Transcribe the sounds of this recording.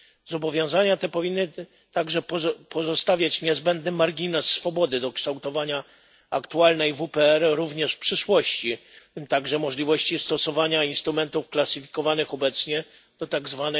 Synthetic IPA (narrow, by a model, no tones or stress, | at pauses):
zɔbɔvʲjɔ̃w̃zaɲat̪ɛpɔvʲinːɘ | t̪aɡʐɛpɔpʰɔzɔst̪avʲjat͡ɕɲɛzbɛnd̪̚nɘmaɾɡʲinɛsːfɔbɔd̪ɘd̪ɔkʂt̪awt̪ɔvaɲa | akt̪ualnɛjvupɛɛɾɾuvɲɛʂfpʂɘʂwɔɕt͡ɕimt̪aɡʐɛmɔʐlʲivɔɕt͡ɕist̪ɔsɔvaɲainst̪ɾumɛnt̪ufklasɘfʲi̥kɔvanɘxɔbɛt̪sɲɛ | d̪̥ɔt̪aɡzvanɛ